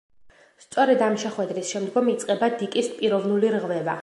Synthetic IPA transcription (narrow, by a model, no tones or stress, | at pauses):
st̪sʼɔɾɛd̪amʃɛχwɛd̪ɾisʃɛmd̪ɡɔmit̪sʼqʼɛbad̪ikʼispʼiɾɔvnuliɾʁvɛva̰